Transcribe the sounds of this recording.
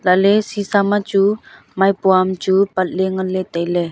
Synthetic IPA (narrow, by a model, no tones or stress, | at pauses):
lalesisamat͡ʃu | majpuamt͡ʃupat̪̚leŋəlet̪ale